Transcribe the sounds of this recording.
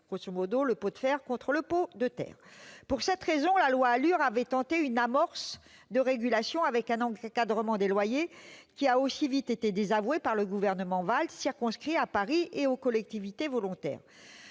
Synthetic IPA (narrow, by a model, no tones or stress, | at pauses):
ɡ̥ʁosomɔd̪oləpod̪fɛʁkɔ̃t̪χələpod̪ət̪ɛ̰ːʁpuʁsɛt̪χezɔ̃lalwaːlyʁavɛt̪ɑ̃t̪eynamɔʁs | d̪əʁeɡʲylasjɔ̃avɛkɛ̃nɑ̃kad̪ʁəmɑ̃d̪elwajekʲiaosivit̪et̪ed̪ezavwepaʁləɡuvɛʁnəmɑ̃valsiʁkɔ̃skχiapaʁiʔeokɔlɛk̚t̪ivit̪evɔlɔ̃t̪ɛ̰ːʁ